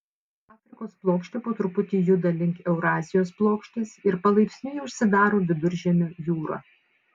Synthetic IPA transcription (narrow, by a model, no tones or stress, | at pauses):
ɑːfʲɾʲɪkoːsplˠoːkʃʲt̪ʲɪpoːt̪ɾʊpʊt̪ʲiːjʊd̪ɐlʲɪŋʲkʲɛʊɾɑːzʲɪjoːsplˠoːkʃʲt̪ʲesɪɾpɐlˠɐɪpʲsʲnʲʊjɛʊʃʲsʲɪd̪ɑːɾoːʋʲɪd̪ʊɾʲʒʲɛmʲojuːɾɐ̰